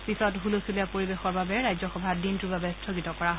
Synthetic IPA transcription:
pisɔtɦulosuliapoɹibexɔɹbabɛɹajzɔxɔbʱadintubabɛstʰoɡitɔkɔɹaɦ

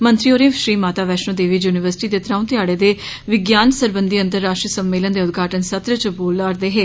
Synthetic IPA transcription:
mənt̪ɾiːoːɾẽːʃɾiːmaːt̪aːʋɛːʃnõːd̪eːʋiːd͡ʒuːnɪʋəɾsɪ̥ʈiːd̪eːt̪ɾãːunt̪ɪjaːɽeːd̪eː | ʋɪɡjaːnsəɾbənd̪iːə̃nt̪əɾːaːʃʈɾisəmːeːlənd̪eːʊd̪ɡʱaːʈənsət̪ɾət͡ʃəboːlaːɾd̪eːɦeː

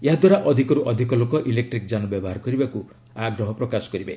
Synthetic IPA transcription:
eɦad̪waɾaʔɔd̪ʱikɔɾuʔɔd̪ʱikɔlokɔʔilek̚ʈɾik̚d͡ʒanɔbjɔbɔɦaɾkɔɾibaku | aɡɾɔɦɔpɾɔkasɔ̥kɔɾibḛ

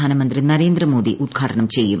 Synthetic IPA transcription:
aːnɐmɐnd̪rinɐɾe̞ːnd̪ɾɐmo̞ːd̪ḭʔud̪̚ɡʱaːʈɐɳɐmt͡ɕe̞jːum

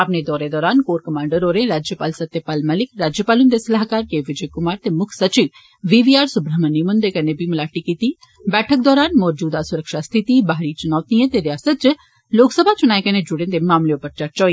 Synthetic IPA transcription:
apned̪ɔːɾed̪ɔːɾaːnkoːɾkɐmãːɳɖəɾoːɾẽɾaːd͡ʒjəpaːlsɐt̪jəpaːlməlɪkɾaːd͡ʒjəpaːlʊnd̪esɐlaːɦkaːɾkeːʋɪd͡ʒəjkʊmaːɾt̪eːmʊkʰsɐt͡ʃɪ | ʋiːʋiːaːɾsʊbɾəɦmənːimʊ̃nd̪ekɐnebʱimʊlaːʈikiːt̪iː | bɛːʈʰək̚d̪ɔːɾaːnmɔːɾd͡ʒuːd̪asʊɾəkʃast̪ʰɪt̪ibaɦɾit͡ʃʊnaːt̪iẽt̪eɾɪjaːsət̪̚t͡ʃ | loːksəbʱat͡ʃʊñaːekɐned͡ʒʊɽẽnd̪emaːmleopəɾt͡ʃɐɾt͡ʃɔːi

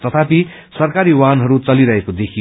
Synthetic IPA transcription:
t̪ʌt̪ʰapi | sʌrkaɾiwanɦʌɾut͡sʌliɾʌɦekod̪ekʰi

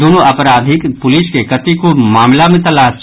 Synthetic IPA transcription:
oːnoʔɐpɾaːd̪ʱɪkpʊlɪskekɐt̪ikomaːmlamẽt̪ɐlaːs

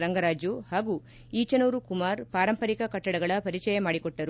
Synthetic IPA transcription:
ɾɐŋɡɐɾaːd͡ʒjuhaːɡu | iːt͡ʃɐnuːɾukumaːɾpaːɾɐmpɐɾikɐkɐʈːɐɽɐɡɐɭɐpɐɾit͡ʃɐjɐmaːɽikɔʈːɐɾu

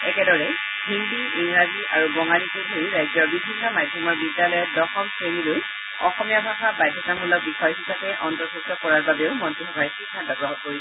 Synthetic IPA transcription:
ɛkɛdɔɹɛ | hindiiŋɹaziʔaɹubɔŋalikedʱoɹiɹajzɔɹbibʱinːɔmadʱjɔmɔɹbidjalɔjɔt̚dɔxɔmsʰɹeniloj | ɔxɔmijabʱaxabajdʱːɔtamɦɔlɔk̚bixɔjɦisapɛʔɔntɔɹsastɔkɔɹaɹbabeʊmɔntɹixɔbʱaɹkiɡʱantɔɡɹɔɦɔtkoɹis

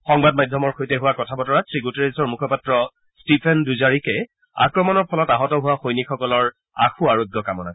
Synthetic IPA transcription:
xɔŋbad̚majdʱːɔmɔɹxojtɛɦʊwakɔtʰabɔtɔɹatʰɹiɡuteɹesɔɹmukʰɔpatɹɔ | stipʰɛnduzaɹikɛ | a̰kɹɔmɔnɔɹpʰɔlɔtaɦɔtɔɦʊwaxojnikxɔkɔlɔɹ | a̰xuaɹoɡʱjɔkamɔna̰

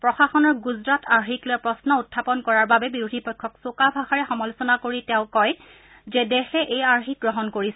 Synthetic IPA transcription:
pɹɔxaxɔnɔɹɡuzɹatʰaɹxiklojɛpɹɔsnɔutʰːapɔnkɔɹaɹbabɛbiɹudʱipɔjkʰːɔksokabʱaxaɹɛxɔmɔlʊsɔnakoɹitɛʊ̃kɔj | zɛdɛxɛʔejaɹxik̚ɡɹɔɦɔnkoɹis

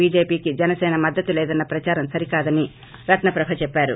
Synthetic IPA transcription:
iːd͡ʒeːpiːkid͡ʒɛnɐsɛːnɐmɐd̪ːɐt̪ulɛːd̪ɐnːɐpɾɐt͡ʃaːɾɐmsɐɾikaːd̪ɐni | ɾɐt̪nɐpɾɐbʱɐt͡ʃɛpːaːɾṵ

